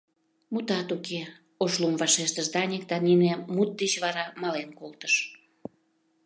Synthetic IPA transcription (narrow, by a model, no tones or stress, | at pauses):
mut̪ɑt̪uke | oʃlumvɑʃeʃt̪əʃd̪ɑnʲek̚d̪ɑninemut̪̚d̪et͡ɕβɑɾɑmɑlenkolt̪ə̥ʃ